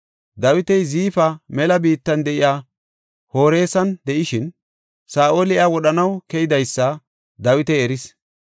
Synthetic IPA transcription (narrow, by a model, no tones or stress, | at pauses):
d̪ɐwɪt̪ɛjziːfɐmɛlɐbiːt̪ːɐnd̪ɛʔɪjaː | ho̞ːɾe̞ːsɐnd̪ɛʔɪʃɪn | saːʔoːlɪʔɐwɔɗɐnɐwkɛjɪd̪ɐjsːɐ | d̪ɐwɪt̪ɛjɛɾɪs